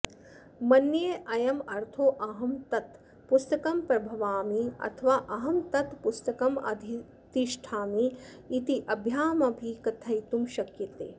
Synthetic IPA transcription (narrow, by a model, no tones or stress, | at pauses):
mɐnjeːʔɐjɐmɐɾt̪ʰoːʔɐɦɐmt̪ɐt̪ | pust̪ɐkɐmpɾɐbʱɐʋaːmiɐ̰t̪ʰɐʋaːʔɐɦɐmt̪ɐt̪pust̪ɐkɐmɐ̰d̪ʱi | t̪iʃʈʰaːmiː | t̪iʔɐbʱjaːmɐbʱiːkɐt̪ʰɐjt̪umʃɐkjɐt̪ḛː